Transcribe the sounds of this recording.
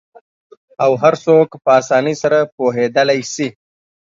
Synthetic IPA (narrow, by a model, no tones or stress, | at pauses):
awɦaɾsokpəasɑːnəsaɾapoɦed̪əlajsi